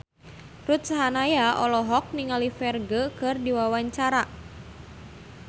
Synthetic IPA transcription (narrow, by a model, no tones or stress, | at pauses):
rut̪̚saɦanajaʔɔlɔɦɔk̚niŋalifɛrɡəkɨrdiwawaɲt͡ʃaɾa